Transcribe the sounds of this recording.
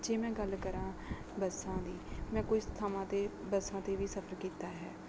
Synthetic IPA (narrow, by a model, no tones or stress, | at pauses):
d͡ʒeːmɛ̃ːɡəlkəɾãː | bəsãːd̪iːmɛ̃ːkʊist̪ʰaːmãːt̪eːbəsãːt̪eːʋiːsəpʰəɾkiːt̪aːɦɛ̰ː